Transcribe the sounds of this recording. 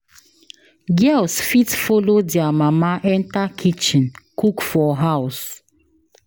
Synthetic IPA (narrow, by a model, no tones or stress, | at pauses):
ɡɛlsfitfolodiamamaʔɛ̃ntakʰit͡ʃĩnkukfɔɦaws